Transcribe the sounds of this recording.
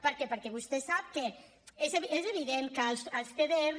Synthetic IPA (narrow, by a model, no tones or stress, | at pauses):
pəɾkɛpəɾkɛβust̪esap̚ke | ezeβezeβiðeŋkəlsəlst̪eðe